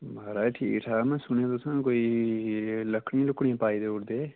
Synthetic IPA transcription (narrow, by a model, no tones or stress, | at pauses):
baːɾaːeʈʰḭːkʈʰaːmɛ̃sʊnẽd̪osə̃nkoːi | ləkʰɽĩlʊkɽĩpaːid̪eʊɽd̪eː